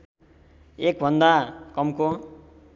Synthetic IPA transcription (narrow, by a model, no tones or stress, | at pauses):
ek̚bʱʌnd̪akʌmko